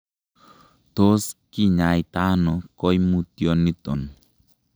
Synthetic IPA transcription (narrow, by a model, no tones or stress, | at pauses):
t̪oskiɲajt̪anɔkɔjmut̪ijɔnit̪ɔ̰n